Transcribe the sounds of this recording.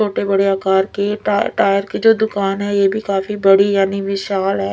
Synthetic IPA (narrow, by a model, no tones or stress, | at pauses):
oːʈebɐɽeaːkaːɾkeʈaːjəɾkid͡ʒoːd̪ʊkaːnɦɛjeːbʱikaːfibɐɽijaːniʋɪʃaːlɦɛː